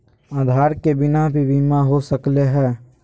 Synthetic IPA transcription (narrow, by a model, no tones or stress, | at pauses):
aːd̪ʱaːɾkebɪnabʱiʋiːmaɦosəkleɦɛː